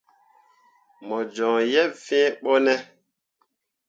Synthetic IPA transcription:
mɔ˨d͡ʒɔ̃˨jɛ˦fɛ̃˦ɓɔ˦nɛ˦

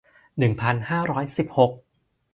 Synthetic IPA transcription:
nɯ˨˩ŋpʰa˧nhaː˥˩ɾɔː˦˥jsi˨˩p̚ho˨˩k̚

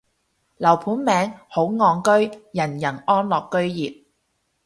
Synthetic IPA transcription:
lɐ˨˩wpʰuː˨˥nmɛː˨˧ŋho˨˥wŋɔː˨˧ŋkɵ˥ɥjɐ˨˩njɐ˨˩nɔː˥nlɔː˨kːɵ˥ɥjiː˨t̚

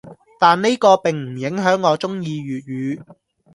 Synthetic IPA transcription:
t̪aː˨nne˥jkɔː˧pɪ˨ŋm̩˨˩jɪ˨˥ŋɦœː˨˥ŋːɔː˨˧t͡sʊ˥ŋjiː˧ɥyː˨t̚jyː˨˧

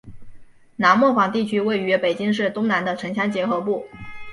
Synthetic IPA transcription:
na˧˥nmwɔ˥˩fɑ˨˩ŋt̪i˥˩t͡ɕʰy˥we˥˩ɪy˧˥pe˨˩ɪt͡ɕi˥ŋʂ̬ɻ̩˥˩t̪ʊ˥ŋna˧˥nd̪ə˧ʈ͡ʂʰɤ˧˥ŋɕʰjɑ˥ŋt͡ɕjɛ˧˥xɤ˧˥pu˥˩

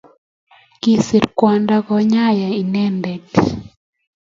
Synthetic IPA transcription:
ki˨si˨ɾkwa˨nda˦kɔ˨ɲa˦ja˨i˨nɛ˦ndɛ˨t

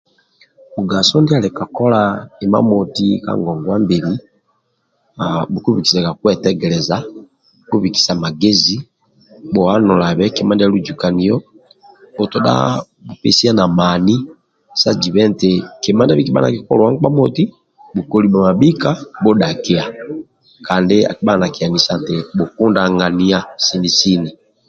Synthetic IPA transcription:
u˨ɡa˨sɔ˦ndi˦a˨lɛ˨ka˨kɔ˦la˦i˨ma̰˦mɔ˨ti˦ka̰˦ŋɡɔ˨ŋɡwa˦mbe˨li˦ | abu˨ku˦βi˨ki̥˨sa˨ka˨kwɛ˦tɛ˦ɡɛ˨lɛ˨za˦ | ku˦βi˨ki̥˨sa˨ma˨ɡe˦zi˦ | bɔ˨a˦nɔ˨la˨βɛ˦kɛ˨ma˦nda˦a˦lu˦d͡ʒu˨ka˨ni˨jɔ˦ | ɔ˨tɔ˨ɗa̰˦ | bu˨pɛ˨si˦a˦na˨ma˨ni˦ | sa˦d͡ʒi˨βɛ˦n˨te˨ke˨ma˦nda˦βi˦ki˦ɓa̰˦na̰˨ki˦kɔ˦lwa˦ŋ˦k͡pa˦mɔ˨ti˦ | bu˨kɔ˨li˨ɓa˨ma˨bi˦ka˦bɔ˦ɗa˨ke˦a˨ | ka˨nde˦a̰˨ki˨ɓa˦˨na˨ki˨a˨ni˨sa˨n˨te˨bu˨ku˦nda˦ŋɡa˨ni˦a˦si˦ni˨si˦ni˨

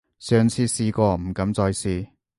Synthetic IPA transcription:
sœː˨ŋt͡sʰiː˧siː˧kɔː˧m̩˨˩kɐ˨˧˥mt͡sɔː˧jsiː˨˧

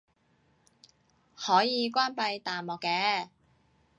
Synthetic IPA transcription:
hɔː˨˥jiː˨˧kʷwaː˥npɐ˧jt̪aː˨nmɔː˨kːɛː˧

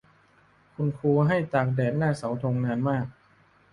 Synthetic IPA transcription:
kʰu˧nkʰuː˧ɦa˥˩jt͡ɕ̪aː˨˩k̚dɛː˨˩t̪̚naː˥˩sa˩˦wt̪ʰo˧ŋnaː˧nmaː˥˩k̚

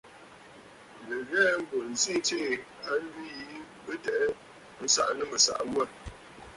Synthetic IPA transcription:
lə˨ɣɛː˦m̩˦bo˨n̩˨zi˦˨˦te˦˨ | a˦n˦di˦˨i˦ | bə˦tɛ˦ʔɛ˦ | n̩˦sa̰˦˨ʔnɨ˦mə˨sa̰˨ʔwə˦˨

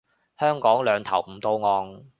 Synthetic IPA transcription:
hœː˥ŋkɔː˨˥ŋlœː˨˧ŋt̪ʰɐ˨˩wm̩˨˩t̪o˧wŋɔː˨˧ŋ

